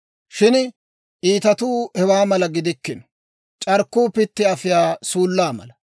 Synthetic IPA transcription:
ʃɪn | ʔiːt̪ɐt̪uːhɛwaːmɐlɐɡɪd̪ɪkːɪn | t͡ʃʼɐɾkːuːpɪt̪ːɪɐfɪjaːsuːlːaːmɐ̰lɐ

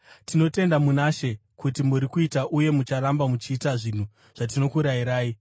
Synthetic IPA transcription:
tino̞te̞ndamunaʃe̞kutimuɾikuitaʔuje̞mut͡ʃaɾambamut͡ʃiːtaʐin̤u | ʐ̥at̬ino̞kuɾaiɾaːji

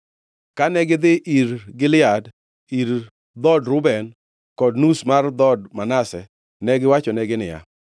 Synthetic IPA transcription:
kanɛɡɪd̪ɪʔiɾɡɪlɪad | iɾ | d̪ɔdɾʊbɛn | kɔdnusmard̪ɔd̚manasɛ | nɛɡɪwat͡ʃɔnɛɡɪnɪja̰

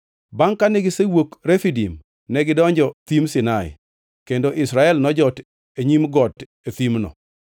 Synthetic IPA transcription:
baŋkanɪɡɪsewokɾefidim | nɛɡɪdɔɲd͡ʒɔt̪imsɪnaɪ̰ | kendoʔɪsɾaɛlnɔd͡ʒɔt | eɲimɡɔt | et̪imnɔ̰

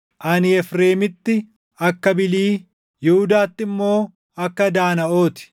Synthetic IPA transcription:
ʔɐnɪɛfɾe̞ːmɪt̪ːɪ | ɐkːɐbɪliː | jɪhʊd̪aːt̪ːɪmːo̞ː | ɐkːɐd̪aːnɐʔo̞ːt̪ɪ̥

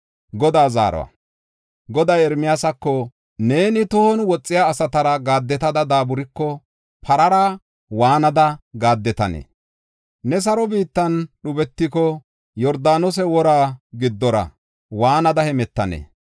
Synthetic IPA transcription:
ɡɔd̪aːza̰ːɾɔ̰wɐ̰ | ɡɔd̪aːjɛɾmɪjasɐkːɔ | ne̞ːnɪt̪ʊhɔnwɔt͡sʼːɪjaːsɐt̪ɐɾɐɡaːd̪ːɛt̪ɐd̪ɐd̪aːbʊɾɪkːɔ | pʰɐɾɐɾaː | waːnɐd̪ɐɡaːd̪ːɛt̪ɐnḛː | nɛs̬ɐɾɔbiːt̪ːɐnɗʊbɛt̪ːɪkɔ | jɔɾd̪aːnɔs̬ɛwɔɾaːɡɪd̪ːɔɾɐ̰ | waːnɐd̪ɐhɛmɛt̪ːɐnḛː

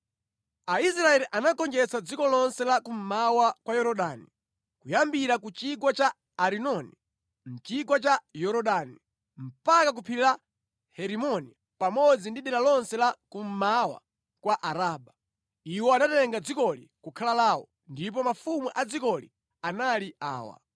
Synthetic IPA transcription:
ais̬ɾaɛliʔanakɔnd͡ʒɛt͡sad͡zikɔlɔnsɛlakum̩mawakwajɔɾɔɗaːni | kujambiɾakut͡ʃikwat͡ʃaː | ɾinɔni | m̩t͡ʃikwat͡ʃajɔɾɔɗani | m̩pakak̬upʰiila | hɛɾimɔni | pamɔd͡zindiɗɛlalɔnsɛlakum̩mawa̰ | kwaʔaɾaːɓa | iwɔanatɛŋɡad͡zikɔlḭkukʰalalaːwɔ̰ | ndip̬ɔmafumuʔad͡zikɔlḭ | analiʔa̰ːwa̰

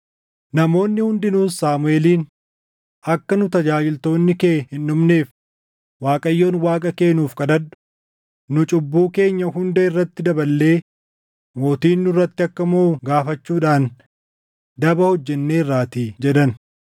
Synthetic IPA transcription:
nɐmo̞ːnːɪhʊnd̪ɪnuːsaːmʊeːliːn | ʔɐkːɐnʊt̪ɐd͡ʒaːd͡ʒɪlt̪o̞ːnːɪkeːhɪnːʊmne̞ːf | waːkʼɐjːo̞ːnwaːkʼɐke̞ːnuːfkʼɐd̪ɐd̪ʊ̥ | nʊt͡ʃʼʊbːuːke̞ːɲːɐhʊnd̪ɛɪrːɐt̪ːɪd̪ɐbɐlːe̞ː | mo̞ːt̪iːnːʊrːɐt̪ːɪɐkːɐmoːɡaːfɐt͡ʃːuːᶑaːn | d̪ɐbɐhɔd͡ʒːɛnːe̞ːrːaːt̪iːd͡ʒɛᶑ̪ɐn

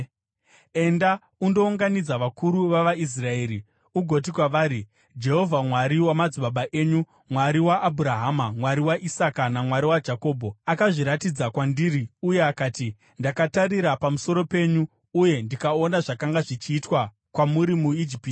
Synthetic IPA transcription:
e̞nda | undo̞uŋɡanid͡zaʋakʰuɾuʋaʋais̬rae̞ːɾi | uɡʱo̞t̬ikwaʋaːɾi | d͡ʒe̞ɦo̞vʱamwaɾiwamad͡ziɓaɓaʔe̞ːɲu | mwaɾiwaʔːbʱuɾaɦamamwaɾiwaʔisakanamwaɾiwad͡ʒako̞ːbʱoakaʐiɾatid͡zakwandiːɾiuje̞akaːti | ndakataɾiɾapamuso̞ɾo̞pe̞ːɲu | uje̞ndikaonaʐakaŋɡaʐit͡ʃiːtwa | kwamuɾimuid͡ʒipiti̥

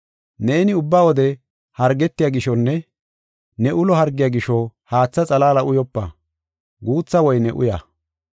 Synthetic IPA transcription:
ne̞ːnɪʊbːaːwɔd̪ɛ | hɐɾɡɛt̪ːɪjaːɡɪʃɔnːɛ | nɛʔʊlɔɦɐɾɡːɪjaːɡɪʃɔhaːt͡sːɐt͡sʼɐlaːlɐʔʊjɔpːɐ̰ | ɡuːt͡sːɐwɔjnɛʔʊ̰ja̰

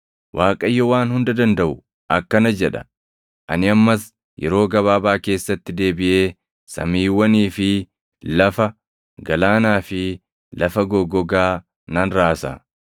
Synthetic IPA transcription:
wʔaːkʼɐjːɔwaːnhʊnd̪ɐd̪ɐnd̪ɐʔʊ | ʔɐkːɐnɐd͡ʒɛᶑɐ̥̰ | ʔɐnɪɐmːɐs | jɛ̰ɾo̞ːɡɐβaːbaːke̞ːsːɐt̪ːɪd̪e̞ːbɪʔe̞ː | sɐ̰miːwːɐniːfɪ | lɐfɐ | ɡɐlaːnaːfɪ | lɐfɐɡɔɡɔɡaː | nɐnɾaːsa̰

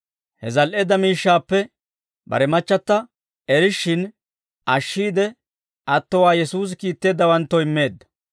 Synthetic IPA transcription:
hɛzɐlʔeːd̪ɐmiːʃːaːpːɛ | bɐ̰ɾɛmɐt͡ʃːɐt̪ːɐ | ɛɾɪʃːɪn | ʔɐʃːiːd̪ɛ | ʔɐt̪ːɔwaːjɛsuːs̬ɪkiːt̪ːe̞ːd̪ːɐwɐnt̪ːɔɪmːe̞ːd̪ːɐ̥

